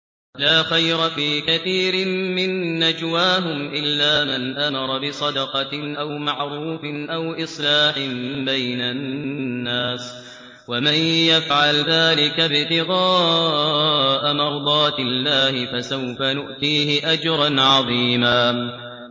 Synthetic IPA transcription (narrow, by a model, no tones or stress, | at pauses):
laːxajɾˤɑfiːkaθiːɾɪmɪnːad͡ʒwaːɦʊmʔɪlːaːmanʔamɑɾˤɑbɪsˤɑd̪ɑqɑʔawmaʕɾuːfɪnʔawʔɨsˤlaːħɪmbajnanːaːs | wamanjafʕalðaːlɪkabɪt̪ɪɣɑː | ʔamɑɾˤd̪ˤɑːt̪ɪlːaːhɪfasawfanʊʔt̪iːhɪʔad͡ʒɾˤɑnʕɑðˤiːmaː